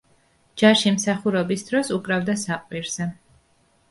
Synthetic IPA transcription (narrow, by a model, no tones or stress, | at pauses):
d͡ʒaʃimsaχuɾɛbisd̪ɾɔsukʼɾavd̪asaqʼwiɾz̥ɛ